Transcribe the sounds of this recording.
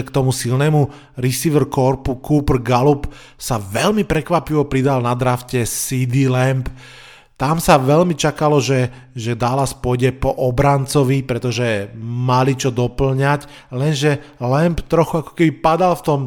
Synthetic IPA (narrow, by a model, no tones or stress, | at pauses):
kt̪ɔmusilnɛːmu | ɾisiʋrkɔɾpukuːpr̩ɡalup | saʋɛʎmipɾɛkʋapiʋɔpɾid̪alnad̪ɾafcɛsid̪ilɛmp | t̪amsaʋɛlmit͡ʃakalɔʒɛ | ʒɛd̪alaspɔjɟɛpɔʔɔbɾant͡sɔʋipɾɛt̪ɔʒɛmalit͡ʃɔd̪ɔpl̩ɲac | lɛnʒɛlɛmpt̪ɾɔxuakɔ̥kɛbipad̪alft̪ɔm